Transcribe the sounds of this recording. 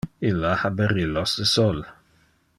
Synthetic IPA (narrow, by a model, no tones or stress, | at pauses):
ɪlahabəɾɪlɔsəsɔl